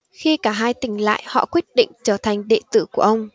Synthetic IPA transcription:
xi˧kaː˧˩ɦaː˧jt̪ï˧˩ŋ̟la̰ː˧˨jhɔ̰˧˨kwi˦˥ət̚ɗḭ̈˧˨ŋ̟t͡ɕəː˧˩t̪ʰa˨˩jŋ̟ɗḛ˧˨t̪ɨ̰˧˩ku˧˩əʔə˧wŋ͡m

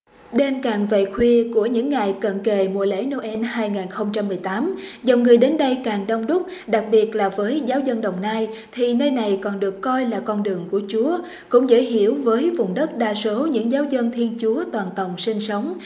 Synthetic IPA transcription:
ɗe˧nkaː˨˩ŋvḛ˧˨xʰwi˧əku˧˩əɲɨ̰˧˥ŋːa˨˩jkə̰˧˨nke˨˩mṵ˧˨əlḛ˧˥no˧ʔɛ˧nhaː˧jŋaː˨˩nxə˧wŋ͡mt͡ɕa˧mːɨ˨˩əjt̪aː˨˦mzə˨˩wŋ͡mŋɨ˨˩əjɗe˨˦nɗə˧jkaː˨˩ŋɗə˧wŋ͡mɗʊ˦˥k͡p̚ɗa˨˩k̚ɓi˨˩ət̚laː˨˩vəː˨˦jzaː˨˦wzə˧nɗə˨˩wŋ͡mnaː˧jt̪ʰi˨˩nəː˧jna˨˩jkɔ˨˩nɗɨ˨˩əkːɔ˧jlaː˨˩kɔ˧nɗɨ˨˩əŋku˧˩ət͡ɕu˨˦ə | kʊ̰˧˥ŋ͡mzə̰ː˧˥jɦḭ˧˩˨əwvəː˨˦jvʊ˨˩wŋ͡mɗə˦˥t̚ɗaː˧so˨˦ɲɨ̰˧˥ŋzaː˨˦wzə˧nt̪ʰi˧ənt͡ɕu˨˦ət̪waː˨˩nt̪ə˨˩wŋ͡msi˧ŋsə˨˦wŋ͡m

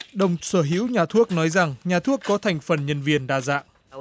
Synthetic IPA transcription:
ɗə˨˩wŋ͡msəː˧˩ɦḭ˧˥wɲaː˨˩t̪ʰu˦˥ək̚nɔ˨˦jza˨˩ŋɲaː˨˩t̪ʰu˦˥əkːɔ˨˦t̪ʰa˨˩jŋ̟fə˨˩nɲə˧nvi˨˩ənɗaː˨˩za̰ː˧˨ʔ

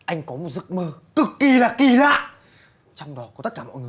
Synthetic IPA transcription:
ʔa˧jŋ̟kɔ˨˦mo˨˩t̚zɨ˦˥˩k̚məː˧kɨ˨˩kːi˨˩laː˨˩ki˨˩la̰ː˧˨j | t͡ɕɔ˧wŋ͡mɗɔ˨˦kɔ˨˦t̪ə˦˥t̚kaː˧˩mɔ̰˧˨jŋ˨˩

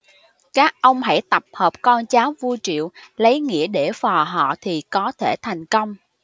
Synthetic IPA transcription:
kaː˦˥k̚ʔə˧wŋ͡mɦa̰˧˩jt̪ə˨˩p̚həː˨˩p̚kɔ˧nt͡ɕaː˨˦wvu˧jt͡ɕḭ˧˨əwlə˨˦jŋḭ˧˥əɗe˧˩fɔ˨˩ɦɔ̰˧˨t̪ʰi˨˩kɔ˨˦t̪ʰe˧˩t̪ʰa˨˩jŋ̟kə˧wŋ͡m

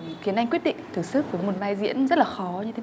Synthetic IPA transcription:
xi˨˦ənha˧ŋ̟kwi˦˥ət̚ɗḭ˧˨ŋ̟t̪ʰɨ˨˧˩k̚sɨ˦˥k̚vəː˨˦jmo˨˩t̚vaː˧˩jzḭ˧˥ənzə˦˥laː˨˩xɔ˨˦ɲɨ˧e˨˦

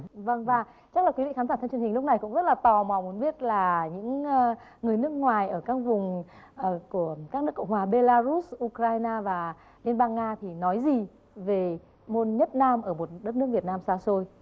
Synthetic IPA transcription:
və˧ŋvaː˨˩ | t͡ɕa˦˥k̚laː˨˩kwi˨˦vḭ˧˨xa˨˦zaː˧˩t̪ʰt͡ɕi˨˩˨hï˨˩ŋlk͡p̚na˨˩jkʊ̰˧˥ŋ͡mzə˦˥t̚laː˨˩t̪ɔ˨˩ma˨˩mu˨˦nɓi˦˥ət̚laː˨˩ɲɨ̰˧˥ŋ˧ŋɨ˨˩əjnɨ˦˥ək̚ŋwaː˨˩jʔəː˧˩kaː˦˥k̚vʊ˨˩ŋ͡m | ku˧˩əkaː˦˥k̚nɨ˦˥əkə̰˧˨wŋ͡mhwaː˨˩ɓe˧laː˧zu˦˥sʔu˧kɾaː˧jnaː˧vaː˨˩ | li˧nɓaː˧nŋaː˧t̪ʰi˨˩nɔ˨˦jzi˨˩ | ve˨˩ | mo˧nɲə˦˥t̚naː˧mʔəː˧˩mo˨˩t̚ɗə˦˥t̚n˦˥k̚vi˨˩ət̚naː˧msaː˧so˧j

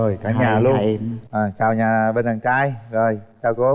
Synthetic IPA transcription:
o˨˩jkaː˨˦˥ɲaː˨˩lu˧ə˧ʔaː˨˩t͡ɕaː˨˩wɲaː˨˩ɓe˧nɗaː˨˩ŋt͡ɕaː˧jzo˨˩jt͡ɕaː˧wko˨˦

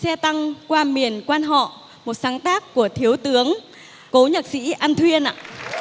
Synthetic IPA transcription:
sɛ˧t̪a˧ŋkwaː˧mi˨˩ənkwaː˧nɦɔ̰˧˨ | mo˨˩t̚saː˨˦ŋt̪aː˦˥kːu˧˩ət̪ʰi˨˦əwt̪ɨ˨˦əŋ | ko˨˦ɲə˨˩t̚sḭ˧˥ʔa˧nt̪ʰwi˧ənʔa̰ː˧˨

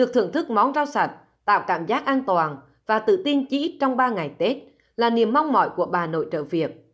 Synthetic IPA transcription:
ɗɨ˨˩ək̚t̪ɨ̰˧˩əŋt̪ʰɨ˦˥k̚mɔ˨˦nzaː˧wsa˨˩jt̚ | t̪a̰ː˧˨wkaː˧˩mzaː˦˥k̚ʔaː˧nt̪waː˨˩n | vaː˨˩t̪ɨ̰˧˨t̪i˧nt͡ɕi˧i˦˥t̚t͡ɕɔ˧wŋ͡mɓaː˧ŋa˨˩jt̪e˦˥t̚ | laː˨˩ni˨˩əmːa˧wŋ͡mmɔ̰˧˨jku˧˩əɓaː˨˩no̰˧˨jt͡ɕə̰ː˧˨vi˨˩ək̚

